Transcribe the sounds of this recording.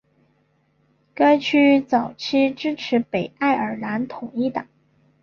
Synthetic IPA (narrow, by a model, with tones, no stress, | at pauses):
ka˥ɪt͡ɕʰy˥t͡sɑ˨˩ʊt͡ɕʰi˥ʈ͡ʂɻ̩˥ʈ͡ʂʰɻ̩˧˥pe˨˩ɪa˥˩ɪə˞˨˩la˧˥nt̪ʰʊ˨˩ŋi˥˩t̪ɑ˨˩˦ŋ